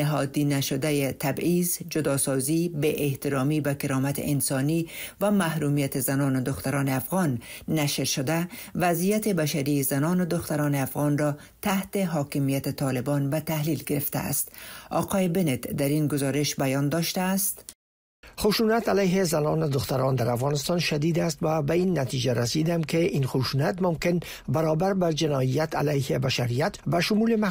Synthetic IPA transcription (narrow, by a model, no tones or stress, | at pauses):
nɪɦɒd̪inaʃʊd̪ajet̪ʰabizd͡ʒʊd̪ɒsɒzibeʔeht̪ɪɾɒmiːbakɪɾɒmat̪ḛʔɪnsɒnivamahɾumijat̪ezanɒːnʊd̪ʊxt̪aɾɒːneafɣɒnːaʃɾʃʊd̪avazijat̪ebaʃaɾizanɒːnʊd̪ʊxt̪aɾɒːneafɣɒnɾɒ | t̪aht̪eɦɒːkɪmijat̪et̪ʰɒːlɪbɒnvat̪ahlilɡɪɾɪft̪a̰ːst̪ɒ̰qʰɒjebenet̪d̪aɾinɡʊzɒɾɪʃbajɒnd̪ɒʃt̪aːst̪ | χʊʃunat̪alajɦezanɒːnʊd̪ʊxt̪aɾɔnd̪aɾafɣɒnɪst̪ɒnʃad̪iːd̪ast̪vabainːat̪id͡ʒaɾasid̪amkeʔinxʊʃuːnat̪mʊmkɪn | baɾɔbaɾbad͡ʒɪnɒijat̪ʰa̰lajhebaʃaɾijat̪baʃʊmulema